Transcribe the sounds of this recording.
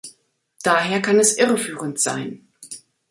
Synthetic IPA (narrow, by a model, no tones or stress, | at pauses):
d̥aːɦeːɐkʰanɛsʔɪʁəfyːʁəntz̥a̰ɪn